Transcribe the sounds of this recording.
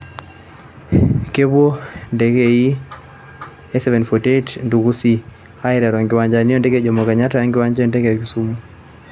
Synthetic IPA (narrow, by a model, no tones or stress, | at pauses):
kɛβwondɛkɛi | ɛsɛvɛnfɔtetndukusi | aiɾaɾɔŋɡɪwaɲd͡ʒaniɔndɛkɛd͡ʒɔmɔkaɲatajaŋɡɪwaɲd͡ʒɛndɛkɛkisumu